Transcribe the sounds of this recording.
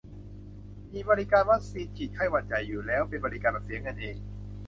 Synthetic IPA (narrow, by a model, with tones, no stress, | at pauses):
miː˧bɔː˧ɾi˦˥kaː˧nwa˦˥k̚siː˧˥n̚kʰiː˨˩t̪̚kʰa˥˩jwaː˧˩t̪̚t͡ɕa˨˩jːuː˨˩lɛː˦˥wpe˧nbɔː˧ɾi˦˥kaː˧nbaː˨˩si˩˦əŋɤ˧nʔeː˧ŋ